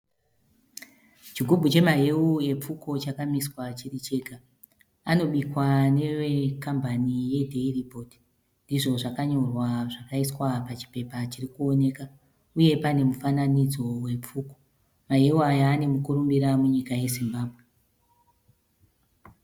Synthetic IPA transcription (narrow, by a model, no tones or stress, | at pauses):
t͡ʃiɡʱubʱut͡ʃe̞maɦe̞ue̞p͡fuko̞t͡ʃakamiswat͡ʃirit͡ʃe̞ːka | ano̞ɓikwane̞wekambanije̞dʱeiripo̞di̥ | ndiʐo̞ʐakaɲo̞rwaʐakaiswapat͡ʃi̥pe̞pat͡ʃirikuo̞ne̞ka | uje̞pane̞mufananid͡zo̞we̞p͡fuːko̞̥ | maɦe̞uajaːne̞mukuɾumbiɾamuɲikaje̞zimbaːbʱɣe